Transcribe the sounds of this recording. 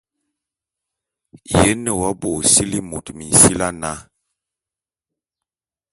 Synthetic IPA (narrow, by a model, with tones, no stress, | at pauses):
jɛ˦nə˨wa˦bo˨si˦li˦mo˨tmi˨n̩˨si˦la˦na˦